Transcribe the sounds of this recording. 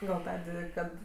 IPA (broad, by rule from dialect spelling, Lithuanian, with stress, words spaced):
ɡɐlˠ ˈtɑːdʲeː ˈkɐt